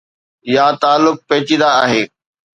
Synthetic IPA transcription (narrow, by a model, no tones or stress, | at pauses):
jaːt̪aːlːʊk̚peɦt͡ɕĩd̪aːɦeː